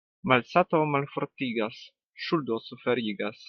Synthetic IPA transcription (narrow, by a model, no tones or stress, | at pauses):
malsat̪omalfoɾt̪iɡas | ʃuld̪osufeɾiɡas